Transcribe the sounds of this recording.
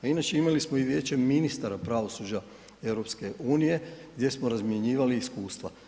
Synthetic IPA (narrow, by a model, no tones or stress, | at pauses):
ainat͡ʃe̞imalismoiʋje̞ːt͡ɕe̞minist̪aɾapɾaʋo̞suːd͡ʑa | e̞wɾo̞pske̞ʔuːnije̞ɡdʲje̞smoɾazmje̞ɲiːʋaliːskuːst̪ʋa